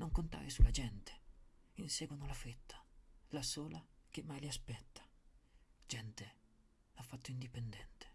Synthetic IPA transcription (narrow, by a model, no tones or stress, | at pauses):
noŋkont̪a̰ːɾesulːad͡ʒɛnt̪e̥insɛːɡwanolafɾet̪ʰːḁlasoːlak̟emːajliaspɛt̪ːḁ | d͡ʒɛnt̪e | afːat̪ːoind̪ipend̪ɛnt̪e̥